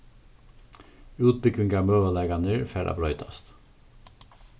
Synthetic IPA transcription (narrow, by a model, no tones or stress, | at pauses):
ʉːt̪̚bʏkʏŋɡɑːmøːʋəlɛːɡɑnəɹfæːɾʔɑ̰ːbɾœʏt̪ʰɑst̪